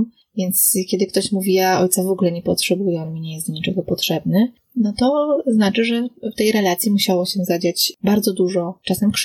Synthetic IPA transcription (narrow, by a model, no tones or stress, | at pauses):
vʲjɛnt̪skʲjɛd̪ɘkt̪ɔɕmuvʲijaɔjt̪savɔɡulɛɲɛpɔtʂɛbujɛɔnmʲiɲɛjɛst̪ɲit͡ʂɛɡɔpɔtʂɛbnɘ | nɔt̪ɔznat͡ʂɘʐɛft̪ɛjɾɛlat̪sʲjimuɕawɔɕɛzad͡ʑat͡ɕbaɾd̪zɔd̪uʐɔt͡ʂasɛmkʂ